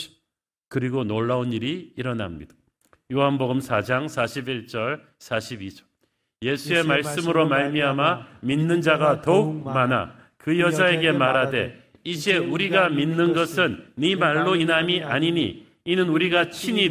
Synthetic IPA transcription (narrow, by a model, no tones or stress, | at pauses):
kɯɾiɡonoɭːauniɾiːɾʌna̰mɲḭd̥ḁ | joɦanboɡɯmsʰad͡ʑaŋsʰaɕʰibiɭt͡ɕ͈ʌɭ | sʰaɕʰibid͡ʑʌɭ | je̞sʰue̞maɭs͈ɯmɯɾomaɭmiɦamaminːɯnd͡ʑaɡatʌuk̚mana̰ | kɯjʌd͡ʑae̞ɡe̞maɾade̞̰ | id͡ʑe̞uɾiɡaminːɯnɡʌsʰɯnːimaɭːoinamiʔaɲiɲiː | nɯnuɾiɡat͡ɕʰiɲi